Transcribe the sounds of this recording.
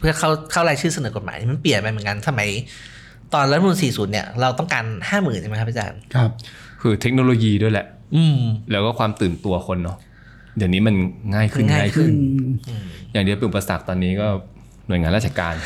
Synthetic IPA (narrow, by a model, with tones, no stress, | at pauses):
pʰɯ˥˩ɐkʰa˥˩wkʰa˥˩wlaː˧jt͡ɕʰɯː˥˩sa˧nɤː˩˦ko˨˩t̚ma̰ː˨˦niː˧˥˩ma˧npli˨˩ənpa˧m˨˩˦ŋka˧nsa˧ma˨˦j | t̪ɔː˧nɾa˦˥m˧˨nsiː˨˩suː˩˦nːi˥˩ɐɾa˧wt̪ɔ˥˩ŋkaː˧nhaː˥˩mɯː˨˩nt͡ɕa˧˦ka˦˥pʰa˥˩t͡ɕa̰ː˧nʰ˧p̚ | kʰɯː˧t̪ʰe˦˥k̚noː˧loː˧jiː˧du˥˩əjlɛ˨˩ʔ | ʔɯː˧mlɛː˦˥kɔː˥˩kʰwaː˧mt̪ɯː˨˩nt̪u˧ɐkʰo˧nːɔ˦˥ | jaː˨˩ŋniː˦˥ma˧nŋaː˥˩jkʰɯ˥˩nŋaː˥aː˥˩jkʰɯ˥˩nʔɯː˧jaː˨˩ŋdi˧pe˧nʔu˨˩pa˧sa̰˨˩k̚t̪ɔː˧nːiː˦˥kɔː˥˩ | nu˨˩jŋaː˧la˦˥˩t͡ɕʰa˧˩ka̰ː˧n